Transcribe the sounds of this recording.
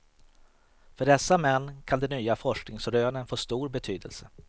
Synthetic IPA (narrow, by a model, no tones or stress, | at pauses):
fœɖɛsːamɛnːkʰand̪ɛnːyːafɔʂknɪŋsɾøːnənfoːst̪uːɾbɛt̪ʰyːd̪ə̰lsə